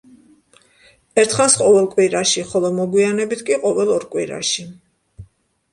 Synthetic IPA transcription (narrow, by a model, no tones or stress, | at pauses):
ɛɾt̪ʰχansqʼɔvɛlˠkʼwiɾaʃiχɔlˠɔmɔɡwianɛbit̪ʰkʼiqʼɔvɛlˠɔɾkʼwḭɾa̰ʃi